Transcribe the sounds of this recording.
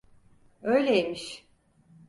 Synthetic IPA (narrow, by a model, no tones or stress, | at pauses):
øjlʲejemiʃ